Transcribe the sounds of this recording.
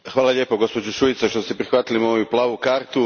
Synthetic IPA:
xʋaːlˠaʎʲje̞ːpoɡo̞spo̞d͡ʑuʃuit̪saʃt̪ost̪ipɾixʋaːt̪ilimoːjuplˠaːʋukaːɾt̪u

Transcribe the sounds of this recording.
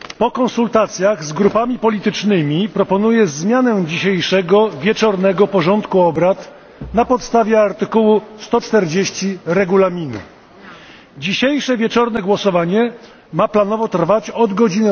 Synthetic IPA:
pɔkɔnsult̪at̪sʲjaɣzɡɾupamʲipɔlʲit̪ɘt͡ʂnɘmʲipɾɔpɔnujɛzmʲjanɛd͡ʑiɕejʂɛɡɔvʲjɛt͡ʂɔɾnɛɡɔpɔʐɔnt̪kuɔbɾat̪ | napɔt̪st̪avʲjɛaɾt̪ɘkuwust̪ɔt͡ʂt̪ɛɾd͡ʑeɕt͡ɕiɾɛɡulamʲinṵ | d͡ʑiɕejʂɛvʲjɛt͡ʂɔɾnɛɡwɔsɔvaɲɛ | maplanɔvɔt̪rvat͡ɕɔd̪ɡɔd͡ʑin

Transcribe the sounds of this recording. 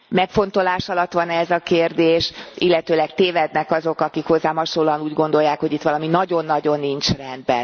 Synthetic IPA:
mɛkfo̞n̪t̪o̞laːʃɒlɒt̪ːʋɒnɛzɒkeːrd̪eːʃilːɛt̪øːlɛkt̪eːvɛd̪nɛkɒzo̞kɒkikho̞zːaːmɒʃolːoɒnuːɟɡo̞nd̪o̞jːaːkho̞ɟit̪ʋɒlɒminɒɟo̞nːɒɟo̞nːint͡ʃrɛnd̪bɛ̰n

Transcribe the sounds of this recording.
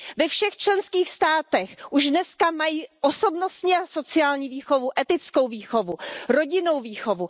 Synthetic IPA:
vɛfʃɛxt͡ʃlɛnskiːxst̪aːt̪ɛxʔuʒdnɛskamajiːʔoso̞bno̞st̪ɲiaso̞t͡sɪaːlɲiːviːxovuʔɛt̪ɪt͡sko̞wviːxo̞vuɾo̞ɟɪno̞wviːxo̞vu

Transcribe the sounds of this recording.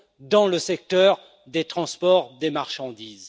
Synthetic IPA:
d̪ɑ̃ləsɛk̚t̪œʁ | d̪et̪χɑ̃spɔʁd̪emaʁʃɑ̃d̪iz

